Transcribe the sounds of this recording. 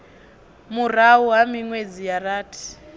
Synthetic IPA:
mur̤auɦamiŋwed͡zijaraːtʰi̥

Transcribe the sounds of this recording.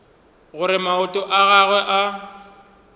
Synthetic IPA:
ɣʊɾɪmaʊtʼɔʔaɣaɣwɛʔa

